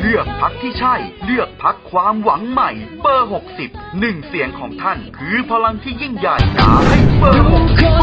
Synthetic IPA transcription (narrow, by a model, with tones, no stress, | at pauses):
ɾɯ˥˩ək̚pʰa˦˥k̚t̪ʰiː˥˩t͡ɕʰa˥˩jɾɯ˥˩ək̚pʰa˦˥kʰːwaː˧mwa˩˦ŋma˨˩jpɤː˧ɦo˨˩k̚si˨˩p̚nɯ˨˩ŋsi˨˩˦əŋkʰɔː˩˦ŋt̪ʰa˥˩nkʰɯː˧pʰa˧la˧ŋt̪ʰiː˥˩ji˥˩ŋjaː˨˩jka̰ː˩˦ha˥˩jpɤː˧˨˦kː